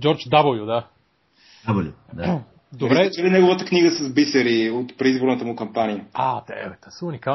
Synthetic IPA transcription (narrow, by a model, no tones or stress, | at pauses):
d͡ʒɔɾt͡ʃd̪abəljud̪a | ablu | d | d̪obɾɛt͡ʃɛlinɛɡovət̪əkniɡəsɐzbisɛɾiot̪pɾɛizboɾnət̪əmukɐmpanijəat̪ɛ̰vɛt̪asəunika